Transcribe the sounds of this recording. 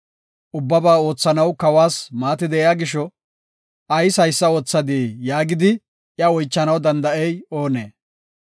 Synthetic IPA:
ʔʊbːɐbaːo̞ːt͡sːɐnɐwkɐwaːsmaːt̪ɪd̪ɛjaːɡɪʃɔ | ɐjsɐjsːɐo̞ːt͡sːɐd̪eːjaːɡɪd̪ɪ | ʔjɐɔjt͡ʃːɐnɐwd̪ɐnd̪ɐʔɛjo̞ːneː

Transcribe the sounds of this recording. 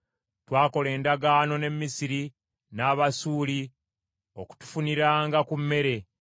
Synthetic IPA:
twaːko̞le̞ːndaɡaːno̞ne̞mːisiɾi | naːβasuːli | o̞̰ku̥tu̥funiɾaːŋɡakumːe̞ɾe̞

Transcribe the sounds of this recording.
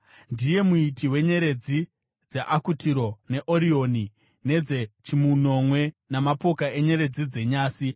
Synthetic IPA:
ndije̞muitiwe̞ɲe̞ɾe̞d͡zi | d͡zaʔakutiɾo̞ne̞ʔoɾio̞ni | ne̞d͡zet͡ʃimuno̞mwe̞namapo̞kae̞ɲe̞ɾe̞d͡zid͡ze̞ɲaːsi

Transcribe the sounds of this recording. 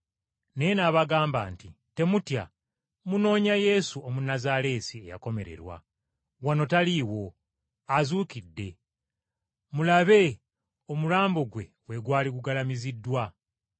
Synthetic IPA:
nejenaːβaɡaːmba̰ːnti | te̞mutja̰ | muno̞ːɲaje̞suomunazaɾe̞ːsie̞̰ja̰ko̞me̞̰ɾe̞̰ɾwa̰ | wano̞taliwo̞ | azuːkidːe̞ | mulaβe̞ | o̞mulaːmbo̞ɡwe̞ | we̞ɡwaːliɡuɡalamizidːwa

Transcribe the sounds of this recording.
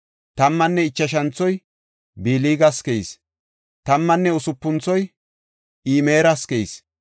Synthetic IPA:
t̪ɐmːɐnːɛɪt͡ʃːɐʃ̬ɐnt͡sːɔj | biːliːɡɐskɛjs | t̪ɐmːɐnːɛʊsʊpːʊnt͡sːɔj | iːmeːɾɐskejs

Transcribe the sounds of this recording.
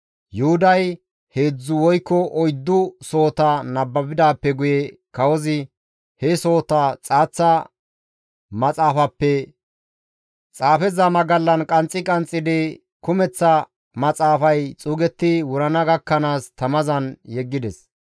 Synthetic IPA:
jʊhʊd̪ɐj | he̞ːd͡zːʊwɔjkːɔʔɔjd̪ːʊso̞ːt̪ɐnɐbːɐbɪd̪aːpːɛɡʊjɛkɐwɔzɪ | hɛso̞ːt̪ɐt͡sʼaːt͡sːɐ | mɐt͡sʼaːfɐpːɛ | t͡sʼaːfɛzɐmɐɡɐlːɐnkʼɐnt͡sʼːɪkʼɐnt͡sʼːɪd̪ɪ | kʊmɛt͡sːɐ | mɐt͡sʼaːfɐjt͡sʼuːɡɛt̪ːɪwʊɾɐnɐɡɐkːɐnaːst̪ɐmɐzɐnjɛɡːɪd̪ɛs

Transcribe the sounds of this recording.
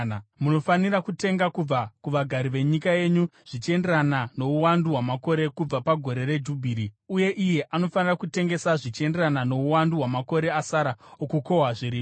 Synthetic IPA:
muno̞fanirakute̞ŋɡakub͡vakuʋaɡʱaɾiʋe̞ɲikaje̞ɲuʐ̥it͡ʃe̞nderanano̞uwanduɦwamako̞ɾe̞kub͡vapaɡʱo̞ɾe̞re̞d͡ʒubʱiːɾiuje̞ʔije̞ʔano̞fanirakute̞ŋɡe̞saʐit͡ʃe̞nderanano̞uwanduɦwamako̞ɾe̞asaɾaokuko̞ɦaʐiɾiː

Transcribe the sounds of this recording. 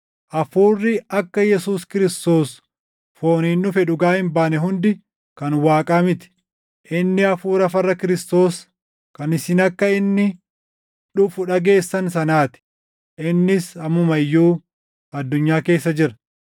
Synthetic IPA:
ʔɐfuːrːɪɐkːɐjɛsuːskɪɾɪst̪o̞ːs | fo̞ːniːnːʊfɛᶑʊɡaːhɪmbaːnɛɦʊnd̪ɪ | kɐnwaːkʼɐmɪt̪ɪ̥ | ʔɪnːɪɐfuːɾɐfɐrːɐkɪɾɪst̪o̞ːs | kɐnɪsɪnɐkːɐɪnːɪ | ᶑʊfʊᶑɐɡe̞ːsːɐnsɐnaːt̪ɪ̥ | ʔɪnːɪsɐmʊmɐjːuː | ɐd̪ːʊɲːaːke̞ːsːɐd͡ʒɪɾɐ

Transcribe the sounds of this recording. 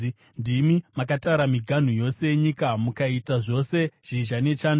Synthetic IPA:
ndimimakatauɾamiɡʱan̤ujo̞se̞jeɲikamukaitaʐo̞se̞ʐ̥iʒane̞t͡ʃaːn

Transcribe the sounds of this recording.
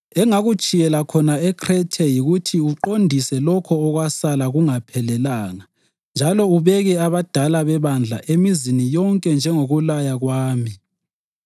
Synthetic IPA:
ɛŋaɣut͡ʃʼijɛlakʰɔnaɛkʰrɛtʰejiɣutʰiuǃondʱisɛlɔkʰɔːɣwasalaɣuŋapʰɛlɛlaːna | nd͡ʒʱalɔuβɛɣɛaβad̥ʱalaβɛβand͡ɮʱa̰ʔemizinijɔŋkʼɛnd͡ʒʱɛŋoɣulajaɣwaːmi

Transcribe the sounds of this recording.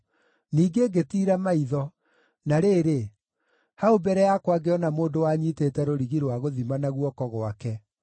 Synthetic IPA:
niːɡeɡetiːɾamaiðɔ | naɾeːɾe | haobɛɾɛjakwaɡeɔnamoːndowaɲiteːtɛɾoɾiɣiɾwaɣoðimanaɣwɔkɔɣoakɛ

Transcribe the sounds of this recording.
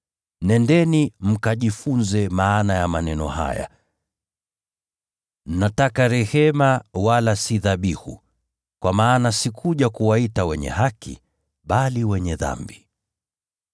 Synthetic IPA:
nɛndɛnim̩kaʄifunzɛmaːnajamanɛnɔ̰ha̰ja̰ | m̩natakaɾɛhɛmawalasiðaɓihṵ | kwʔamaːnasikʰuʄakuwaitawɛɲɛ̰ɦakḭ | ɓaliwɛɲɛða̰mbi

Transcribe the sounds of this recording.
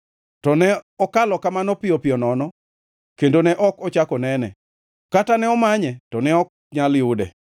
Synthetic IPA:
tɔnɛɔkalɔkamanɔpɪɔpɪɔnɔnɔ | kendonɛʔɔkɔt͡ʃakɔnɛnɛ̰ | katanɛɔmaɲɛtɔnɛɔk̚ | ɲaljʊdɛ̰

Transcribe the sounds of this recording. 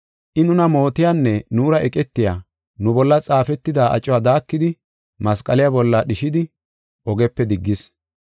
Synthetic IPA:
ʔɪnʊnɐmo̞ːt̪ɪjaːnːɛnuːɾɐʔɛkʼɛt̪ːɪjaː | nʊbɔlːɐt͡sʼaːfɛt̪ːɪd̪aːʔɐ̰t͡ʃʼːʊwaːd̪aːkːɪd̪ɪ | mɐskʼɐlɪjabɔlːaɗɪʃɪd̪ɪ | ʔɔɡɛpːɛd̪ɪɡːɪs

